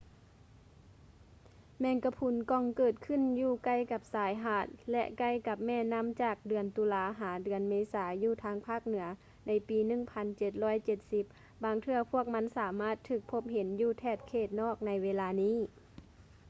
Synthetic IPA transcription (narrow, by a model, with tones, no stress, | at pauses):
mɛː˧nka˧pʰu˧˦nkɔ˧˩˨ŋkɤː˨˩t̪̚kʰɯ˧˥˨njuː˧˩ka˧˩˨jka˧˦p̚saː˨˦jɦaː˧˩t̪̚lɛ̰˧ʔka˧˩jka˧˦p̚mɛː˧˥˩na˧˥˨mt͡ɕaː˧˨˩k̚dɯ˩ənt̪uː˧laː˧ɦaː˩˦dɯ˨˩ənmeː˧˥saː˩˦juː˧˩t̪ʰaː˧˥ŋpʰaː˥˩k̚nɯ˩˦ɐ | na˧˥jpiː˨˦nɯ˧˩˨ŋpʰa˧nt͡ɕe˧˩t̪̚lɔː˧˥˨jt͡ɕe˧t̪̚si˧˦p̚ | baː˧ŋt̪ʰɯ˧ɐpʰu˥˩ək̚ma˧˥nsaː˨˦maː˥˩t̪ʰːɯː˧˩k̚pʰo˧˥p̚he˨˦njuː˧˩t̪ʰɛː˧˩t̪̚kʰeː˧˩t̪̚nɔː˥˩k̚na˧˥jweː˧laː˧niː˧˥˨